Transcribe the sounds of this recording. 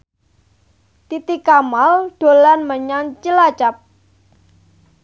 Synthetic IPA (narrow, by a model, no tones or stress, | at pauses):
t̪it̪ikamalɖ̥o̤lanməɲant͡ʃəlat͡ʃap̚